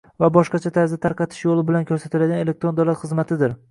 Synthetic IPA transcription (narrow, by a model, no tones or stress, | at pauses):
vabɒʃqɑt͡ʃʰat̪ʰaɾzat̪ʰaɾqʰɑt̪ʰɪ̥ʃjolɪbɪlankʰɵɾsat̪ʰɪlad̪ɡʲanele̞k̚t̪ɾond̪awlat̪χɨzmat̪ʰɪd̪ɪɾ